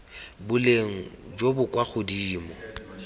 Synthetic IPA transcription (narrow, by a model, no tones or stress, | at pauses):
bʊleŋ̩d͡ʒobʊkʼwaχʰʊdiːmɔ